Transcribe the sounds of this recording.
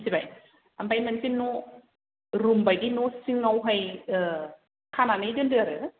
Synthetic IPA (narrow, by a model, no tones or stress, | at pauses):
sibaj | ambajmansino | ɾumbajdinosiŋːawɦaj | kʰananɯjdɯndɯaɾɯ